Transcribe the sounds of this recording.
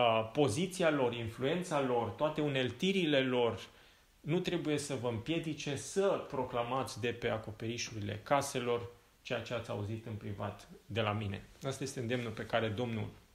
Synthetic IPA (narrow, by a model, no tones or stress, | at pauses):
po̞zit̪sialo̞rinflue̞nt̪salo̞rt̪oat̪e̞une̞lt̪iɾile̞lo̞r | nut̪ɾe̞buje̞səvəɨmpje̞d̪it͡ʃe̞səpɾo̞klamat̪sʲd̪e̞pe̞ako̞pe̞ɾiʃuɾile̞̰kase̞lo̞r | t͡ʃe̞jat͡ʃe̞at̪sʲa̰uzit̪ɨnpɾivat̪d̪e̞lamine̞̰ast̪aje̞st̪eɨnd̪e̞mnulpe̞kaɾe̞d̪o̞mnṵl